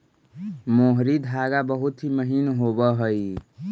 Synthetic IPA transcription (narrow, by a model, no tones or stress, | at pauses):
moɦɾid̪ʱaɡabəɦut̪ɦiməɦinɦobəɦəi